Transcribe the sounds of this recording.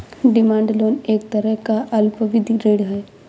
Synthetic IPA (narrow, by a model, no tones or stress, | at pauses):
ɖɪmãːɳɖloːneːk̚t̪əɾəɦkaʔɐlpəʋɪd̪ʱiɾeːɽɦɛː